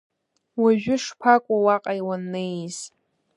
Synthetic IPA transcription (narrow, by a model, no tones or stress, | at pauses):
waʒᶣʊʂpʰakʷʼʊwaqʼajwanːejz̥